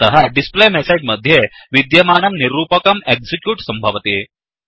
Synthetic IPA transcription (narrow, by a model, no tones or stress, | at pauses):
t̪ɐɦɐɖisplemesed͡ʒmɐd̪ʱjeʋid̪jɐmaːnɐmniɾuːpɐkɐmeɡsikjuːʈsɐmbʱɐʋɐt̪i